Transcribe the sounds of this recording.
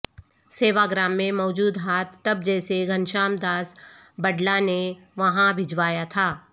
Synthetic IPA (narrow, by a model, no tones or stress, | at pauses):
seːʋaɡɾaːmːẽmɔːd͡ʒuːd̪ɦaːt̪ʰːɐb̚d͡ʒɛːseɡʱɐnʃaːmd̪aːsbɐɖlane | ʋɐɦãbʱɪd͡ʒʋaːjat̪ʰaː